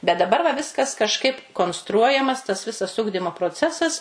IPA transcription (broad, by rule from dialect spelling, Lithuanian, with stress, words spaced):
bʲɛt dɐˈbɐr ʋɐ ˈʋʲɪskɐs kɐʃˈkɐɪp koːnsˈtruɔjɛmɐs tɐs ˈʋʲɪsɐs ˈʊɡdʲɪmoː proːˈt͡sʲæːsɐs